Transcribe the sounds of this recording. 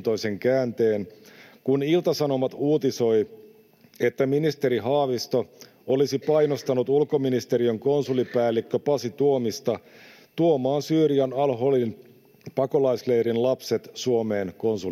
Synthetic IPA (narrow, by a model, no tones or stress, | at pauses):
t̪oise̞ŋkæːnt̪e̞ːnkunilt̪ɑsɑno̞mɑt̪uːt̪iso̞j | e̞t̪ːæminist̪e̞ɾiɦɑːʋist̪o̞ | olisipɑjnost̪ɑnut̪ulkominist̪eɾiøŋko̞nsulipæːlːikːøpɑsit̪uomist̪ɑ | t̪uomɑːnsyːriɑnɑlɦolin | pɑko̞lɑislejɾinlɑpset̪suome̞ːnko̞nsu